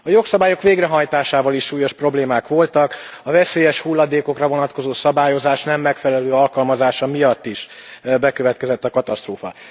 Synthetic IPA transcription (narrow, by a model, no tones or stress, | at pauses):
ɒjo̞ksɒbaːjo̞kʋeːɡrɛɦɒjt̪aːʃaːvɒliʃʃuːjo̞ʃpro̞bleːmaːkʋo̞lt̪ɒkɒvɛseːjɛʃhulːɒd̪eːko̞krɒvo̞nɒt̪ko̞zoːsɒbaːjo̞zaːʃnɛmːɛkfɛlɛløːɒlkɒlmɒzaːʃɒmijɒt̪ːiʃbɛkøvɛt̪kɛzɛt̪ːɒkɒt̪ɒst̪roːfɒ̰